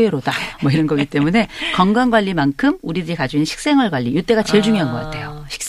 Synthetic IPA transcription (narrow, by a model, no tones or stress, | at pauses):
eɾodamʌiɾʌnɡʌɡit͈e̞mune̞kʌŋɡaŋɡwaʎːimankʰɯmuɾidɯɾikad͡ʑuinɕʰi̥k̚s͈e̞ŋʌɭɡwaʎːijut͈e̞ɡat͡ɕeɭd͡ʑuŋiɦanɡʌk͈atʰe̞joɕʰi̥k̚